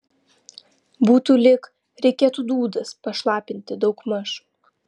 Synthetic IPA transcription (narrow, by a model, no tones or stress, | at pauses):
buːt̪uːlʲɪk | ɾʲɛɪkʲeːt̪uːd̪uːd̪ɐspɐʃlˠɑːpʲɪnʲt̪ʲɪd̪ɒʊkmɐʃu